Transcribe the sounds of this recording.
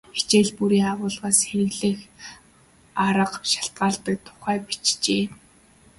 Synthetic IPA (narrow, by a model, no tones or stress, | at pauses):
xe̥t͡ɕeːɮpuɾiːŋaʁʊːɮʁaːsxeɾɘ̆ɣɮɘ̆ːx | aɾə̆qʃḁɬt̪̚ɢaːɮt̪ə̆k̚t̪ʰʊ̥χæːpi̥t͡ɕt͡ɕeː